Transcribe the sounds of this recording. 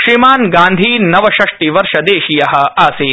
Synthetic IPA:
ʃɾimaːnɡaːnd̪ʱiːnɐʋɐʃɐʂʈ̪iʋɐɾʃɐd̪eːʃijɐɦɐ̆aːsiː

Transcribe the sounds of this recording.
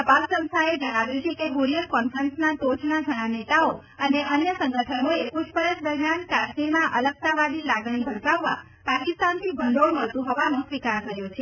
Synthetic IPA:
əbassə̃w̃st̪ʰaed͡ʒəɽ̃aʋeut͡ʃʰekeɦoɾijəlkɔnfɾənsnat̪od͡ʒnaɡʱəɽ̃anet̪ao | əneʔənjəsə̃ŋɡəʈʰənoeput͡ʃpəɾət͡ʃd̪əɾmjankaɾʃmiɾmãʔələk̚t̪aʋaɖilaɡɽ̃ibʱəɾkaʋːa̰ | pakist̪ant̪ʰibʱəɳɖoɭməɭt̪ũɦɔʋanõsʋikaɾk̪əɾjot͡ʃʰe

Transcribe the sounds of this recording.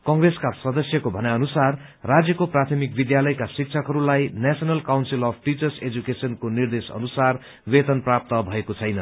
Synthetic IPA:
kʌŋɡreskasʌd̪ʌsjʌkobʱʌnaʌnusarː | ad͡zjʌkoprat̪ʰʌmik̚bid̪jalʌjkasik̚t͡sʰʌkɦʌɾulajnasʌnʌlkawnsilʌpʰʈit͡sʌrsed͡zukesʌnkonird̪esʌ̰nusar | wet̪ʌnprap̚t̪ʌbʱʌekot͡sʰʌjnʌn

